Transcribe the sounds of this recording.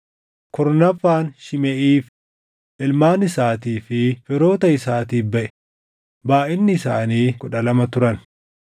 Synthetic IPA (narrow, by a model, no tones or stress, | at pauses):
kɔɾnɐfaːnʃɪmɛʔiːf | ʔɪlmaːnɪsaːt̪iːfɪfɪɾo̞ːt̪ɐɪsaːt̪iːbɐʔɛ̥ | baːʔɪnːɪːsaːniːkʊᶑɐlɐmɐt̪ʊɾɐn